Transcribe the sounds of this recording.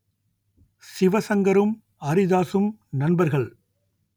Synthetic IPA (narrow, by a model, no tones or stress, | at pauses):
sɪʋɐsɐŋɡɐɾɯm | ɐɾɪðaːsɯmnɐnbɐɾɣɐɭ